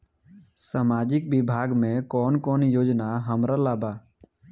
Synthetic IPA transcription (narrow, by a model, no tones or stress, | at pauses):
saːmaːd͡ʒɪkbɪbʱaːɡmẽkɔːnkɔːnjoːd͡ʒnaɦəmɾalaːba